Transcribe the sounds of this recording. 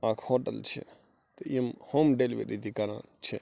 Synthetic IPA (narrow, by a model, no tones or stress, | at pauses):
ãːkʰhoːʈəlt͡ʃʰḛ | t̪eiəmhoːmɖeːliʋḛːɗid̪ikaɾã̰t͡ʃʰe